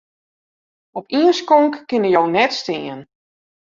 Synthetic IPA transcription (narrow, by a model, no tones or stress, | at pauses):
ɔpʰiənskɔŋkːɪnəjownɛtstɪən